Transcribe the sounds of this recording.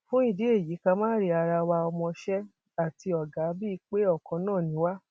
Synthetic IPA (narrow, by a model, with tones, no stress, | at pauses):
fũ˦i˦˧˨di˨˦e˦˨ji˨˦kã˧mãː˦ɾi˧˦a˧ɾa˧wa˧ɔ˧mɔ̃˧ʃɛ˦ | a˦˨ti˧ɔ˨ɡa˨˦bi˦i˦˧˦k͡pe˦ɔ˦˨kɔ̃˨˧˦nãː˦˨nĩ˨˦wa˦